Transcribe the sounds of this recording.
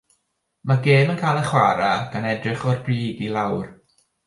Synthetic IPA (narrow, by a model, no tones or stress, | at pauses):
maɡeːmənkʰaːjlˠəχwaɾaɡ̥anɛdrɪχɔrbriːdilˠawr